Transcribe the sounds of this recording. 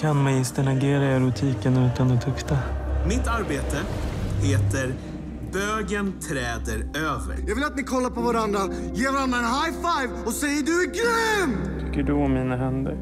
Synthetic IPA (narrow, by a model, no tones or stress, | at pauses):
kʰanmajɪst̪əɳaɡeːɾaœɾɵt̪ʰiːkənʉ̟ːt̪and̪ɛt̪ʰʊkt̪amɪt̪ːaɾbeːt̪əheːt̪əɾ | bøːɡənt̪ʰɾɛːd̪əɾøːvə̰ɾjɑːɡvɪlat̪̚mɪkʰɔlːapʰɔvaɾand̪ɾa | jeːɾɾanɛnɦajfajvɔsɛjːəɖɵɡɾʏɪm | t̪ʰʏkːəɖɵɔmːiːnaɦɛnd̪ə̰ɾ